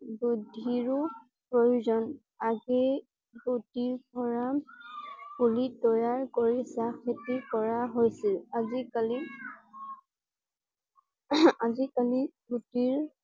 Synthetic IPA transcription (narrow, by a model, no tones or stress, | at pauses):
budʱiɹu | pɹojuzɔn | aɡɛ | ɡutiɹkɔɹa | pulitɔjaɹkoɹisaketikɔɹaɦojsilazikali | azikalibutiɹ